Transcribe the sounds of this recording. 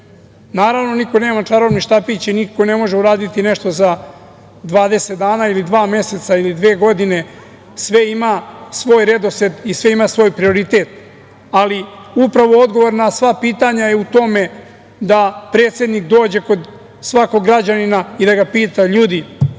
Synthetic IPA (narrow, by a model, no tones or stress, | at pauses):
naːɾaʋno̞niko̞ne̞ːmat͡ʂaɾo̞ʋniʃt̪apit͡ɕinikkːo̞ne̞mo̞ʒeuɾaːd̪it̪ineʃt̪o̞za | d̪ʋaːd̪e̞se̞t̪̚d̪aːnailid̪ʋaːme̞se̞t̪sailid̪ʋeːɡo̞d̪ine̞ | sʋe̞imasʋo̞ːjɾe̞d̪o̞sed̪isʋe̞imasʋo̞ːjpɾio̞ɾit̪e̞ːt̪ | aliupɾaʋo̞o̞d̪ɡo̞ʋo̞ɾnasʋapiːt̪aɲajeut̪o̞me̞ | d̪apɾe̞ːt̪se̞d̪nikd̪o̞ːd͡ʑe̞ko̞d̪ | sʋako̞ɡɾad͡ʑaninaid̪aɡapiːt̪aʎuːd̪i